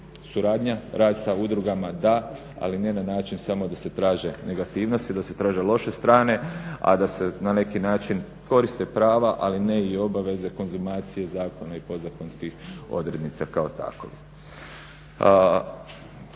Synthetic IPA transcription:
suɾaːd̪ɲaɾaːd̪saud̪ɾuɡamad̪a | a̰linenanaːt͡ʃinsamo̞d̪ase̞t̪ɾaːʒe̞ne̞ɡat̪iːʋno̞st̪id̪ase̞t̪ɾaːʒe̞lo̞ʃe̞st̪ɾaːne̞a̰d̪ase̞nane̞kinaːt͡ʃin | ko̞ɾist̪e̞pɾaːʋaʔaline̞io̞baʋe̞ze̞ko̞nzumaːt̪sije̞zaːko̞naipo̞d̪zako̞nskixo̞̰d̪ɾe̞d̪nit̪sakao̞t̪a̰ko̰i

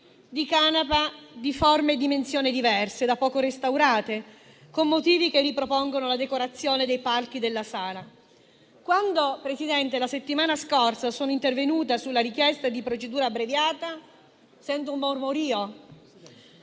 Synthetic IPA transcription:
d̪ikanapad̪iformed̪imensjoːnid̪ivɛrsed̪apːɔːkoɾest̪awɾaːt̪e | komːot̪iːvikerːipɾopoŋɡonolad̪ekoɾat̪sːjoːned̪ejpalk̟id̪elːasaːla | kwand̪opɾesid̪ɛnt̪elaset̪ːimaːnaskorsasoːnoint̪ervenuːt̪asulːaɾik̟jɛst̪ad̪ipɾot͡ʃed̪uːɾabɾevjaːt̪a | sɛnt̪umːormoɾiːo

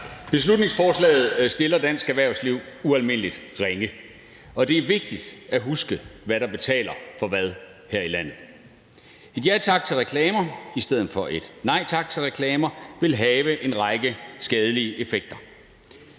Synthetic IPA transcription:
b̥e̝s̬lud̥ne̝ŋsfɒːslɛ̰ːɪð̩ˠsd̥e̝lɐd̥æn̰sɡ̥æʋæɐʊsliʊ̰uælme̝n̰əlid̥ʁeŋə | ɒ̽d̥e̝æɐʋe̝ɡ̥̚d̥id̥æɦusɡ̥əʋæɾɑ̈b̥e̝t͡sʰɛ̰ːlɐfɒ̽ʋæð̞ˠ | hæɐ̰ilæn̰ð̞̩ˠ | e̝d̥jæt͡sʰɑ̈ɡ̥̚t͡sʰe̝lʁekʰlɛːmɐisd̥eð̞̰ˠn̩fɒ̽ʔe̝d̥nɑ̈ɪ̰t͡sʰɑ̈ɡ̥̚t͡sʰe̝lʁekʰlɛːmɐʋe̝lɦɛːʋəʔe̝nʁɑ̈ɡ̥əsɡ̥ɛːð̞ˠəliːəʔe̝feɡ̥̚d̥ɐ

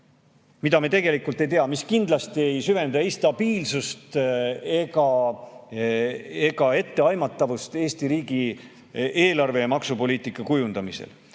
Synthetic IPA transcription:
mid̪ɑmet̪e̞ɡe̞likˑult̪ːˑejt̪eɑmiskind̪̥lɑst̪ie̞jsyve̞nd̪ɑist̪ɑb̥iːlsust̪e̞ɡɑ | e̞ɡɑe̞t̪ːe̞ɑjmɑt̪ːˑɑvust̪e̞ːst̪iɾiːɡi | eːlɑrve̞mɑksupo̞lʲiːt̪ˑikːˑɑkujund̪̥ɑmisḛl

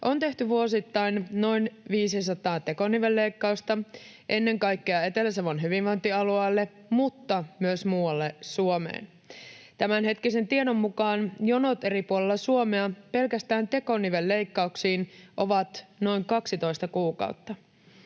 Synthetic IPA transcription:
ʔo̞nt̪e̞ht̪yʋuosit̪ːɑjnno̞jnʋiːsis̬ɑt̪ɑːt̪e̞ko̞niʋelːejkːɑust̪ɑ | ʔe̞nːe̞ŋkɑjkːeɑe̞t̪elæseʋonɦyʋinʋo̞jnt̪iɑluɑːlːe | mut̪ːɑmyøsmuːɑlːesuomḛːn | t̪æmænɦe̞t̪kise̞nt̪iedo̞mːukɑːnjono̞t̪e̞ɾipuolelːɑsuomeɑpe̞lkæst̪æːnt̪e̞ko̞niʋe̞lːe̞jkːɑuksiːnʔo̞ʋɑt̪no̞jŋkɑksit̪o̞ist̪ɑkuːkɑ̰uwt̪ːɑ

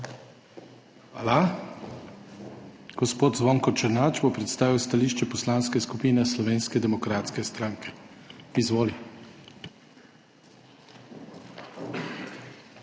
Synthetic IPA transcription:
a̰la | ɡ̥ɔspoːt̪zʋɔŋkɔt͡ʃɛɾnat͡ʃbopɾɛt̪st̪aːʋiwst̪aliːʃt͡ʃɛpɔslanskɛskupiːnɛslɔʋeːnskɛd̪ɛmɔkɾaːt̪skɛst̪ɾaːŋkʰɛ̥izʋoːli

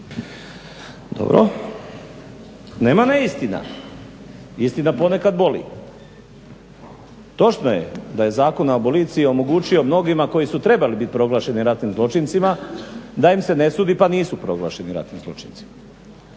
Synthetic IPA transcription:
d̪̥o̰bɾo̰ | ne̞ːmaneist̪ina̰ | ist̪inapo̞ne̞kad̪bo̞lḭ | t̪o̞t͡ʃno̞jḛd̪aje̞zaːko̞naopo̞lit̪siio̞mo̞ɡuːt͡ʃio̞mno̞ɡimako̞jisut̪ɾe̞balibit̪̚ʲpɾo̞ɡlˠaːʃe̞niɾat̪nimzlˠo̞t͡ʃint̪simad̪aimse̞ne̞suːd̪ipaniːsupɾo̞ɡlˠaːʃe̞niɾa̰t̪nimzlˠo̞̰t͡ʃint̪si̥ma

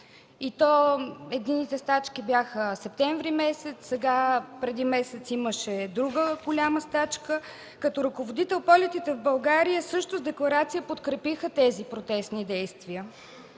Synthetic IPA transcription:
it̪ɔɛd̪inːit̪ɛst̪at͡ʃk̟ibjaxəsɛp̚t̪ɛɱvɾimɛsɛt̪ssːɛɡapɾɛd̪imɛsɛt̪siməʃɛd̪ɾuɡəɡolʲaməst̪at͡ʃkə | kɐt̪oɾɐkovod̪it̪ɛlˠpɔlʲɛt̪it̪ɛvbɐlˠɡaɾijəsɤʃt̪ʊzd̪ɛklˠɐɾat̪sijəpot̪kɾɛpixət̪ɛzipɾot̪ɛst̪nid̪ɛjst̪viə

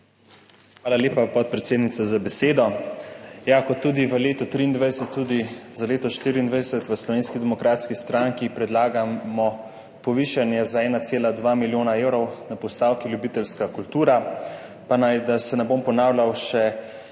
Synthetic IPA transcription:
xʋaːlaleːpapɔt̪̚pɾɛt̪seːd̪nit̪sazabɛseːd̪ɔ | jakɔt̪ːuːd̪iʋəleːt̪ɔt̪ɾiːnd̪ʋajsɛt̪ːud̪izaleːt̪ɔʃt̪iɾiːnd̪ʋajsɛt̪ʋəslɔʋeːnskid̪ɛmɔkɾaːt̪skist̪ɾaŋkipɾɛd̪laːɡamɔ | pɔʋiːʃanjɛzaɛːnat̪seːlad̪ʋamiljoːnaewɾɔwnapɔst̪aːwkiljubit̪ɛlskakult̪uːɾa | panajd̪asɛnɛbompɔnaːwlʲawʃɛ

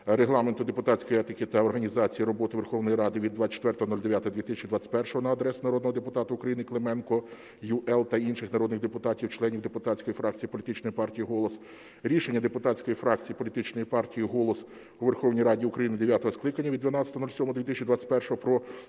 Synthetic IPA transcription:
ɾeɦlˠɑment̪ʊd̪epʊt̪ɑt͡sʲkɔjɛt̪ɪkɪt̪ɐɔrɦɐnʲizɑt͡sʲijiɾɔbɔt̪ɪʋerxɔʋnɔjiɾɑd̪ɪʋʲid̪ːʋɑt͡ʃe̥t̪ʋɛrt̪ɔɦɔnɔlʲd̪eʋʲjat̪ɔɦɐd̪ʲʋʲit̪ɪsʲɛt͡ʃid̪ʋɑt͡sʲɪ̥tʲpɛrʃɔɦɔnɐɐd̪ɾɛsʊnɐɾɔd̪nɔɦɔd̪epʊt̪ɑt̪ʊʊkɾɐjinɪklˠemɛnkɔ | jʊʔɛlˠt̪ɐinʃɪxnɐɾɔd̪nɪɣd̪epʊt̪ɑtʲiwt͡ʃlˠɛnʲiwd̪epʊt̪ɑt͡sʲkɔjifɾɑk̚t͡sʲijipɔlʲit̪ɪt͡ʃnɔjipɑrtʲijiɦɔlˠɔs | ɾʲiʃenʲːɐd̪epʊt̪ɑt͡sʲkɔjifɾɑk̚t͡sʲijipɔlʲit̪ɪt͡ʃnɔjipɑrtʲijiɦɔlˠɔs | uʋerxɔwnʲijɾɑdʲiʊkɾɐjinɪd̪eʋʲjat̪ɔɦɔsklˠɪkɐnʲːɐʋʲid̪d̪ʲʋʲɐnɑt͡sʲɐt̪ːɔnɔlʲsʲɔmɔd̪ʋʲit̪ɪsʲt͡ʃid̪ʋɑt͡sʲɪ̥tʲpɛrʃɔɦɔpɾɔ

